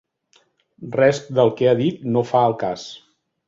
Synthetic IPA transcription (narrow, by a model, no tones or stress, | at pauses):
rɛst̚d̪əlˠkɛaðit̪nofaəlˠkas